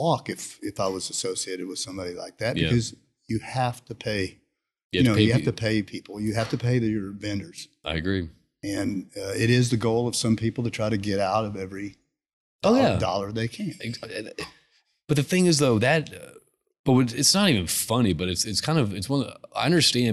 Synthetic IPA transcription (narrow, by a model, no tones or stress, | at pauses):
ɔkɨfɪfaɪwʌzɨsoʊsieɪɾɨd̚wɨð̥sʌ̃mbɑɾila̰ɪk̚ðæt̚bjɨæ̰ʌz | jɨhæftɨpʰeɪ | jɨæɨnoʊjɨhæftɨpʰeɪpʰipʰl̩ˠjɨɦæftɨpʰeɪðɨ˞vɛ̃ndə˞z̥ʔaɪɨɡɹi | ɨ̃nʌɪɾɪzðɨɡoʊlˠʌv̥sʌ̃mpʰipl̩ˠtɨtʰɹ̥aɪɾɨɡɛɾaʊɾʌvɛvɹi | oʊjædɔ̰lˠə˞ðeɪkʰæ̃nɨ | b̥ʌt̪̚ðɨθɪ̃ŋɨzðoʊðɨt̚ʌ | b̥ʌt̚wʌɾɨtsnəɾivɨ̃nfʌnibʌɾɨtsɨtskʰãɪ̃ndʌvɨtswʌ̃na̰ɪʌ̃ndə˞stæ̃n